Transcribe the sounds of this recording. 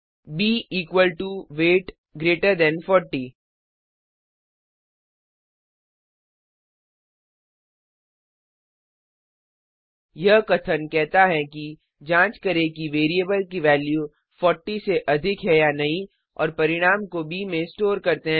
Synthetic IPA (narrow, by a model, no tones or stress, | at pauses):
biːʔiːkwəlʈuʋeːʈ | ɡɾeːʈəɾd̪ɛ̃nfɔːɾʈiː | jɐɦkɐt̪ʰənkɛɦt̪aɦɛki | d͡ʒãːt͡ʃkɐɾekiʋeːɾiəbəlkiʋɛːlju | fɔːɾʈiseʔɐd̪ʱɪkɦɛjanɐɦĩ | ɔ̰ːɾpɐɾɪɽ̃aːmkobʱimẽsʈoːɾkɐɾt̪eɦɛ̃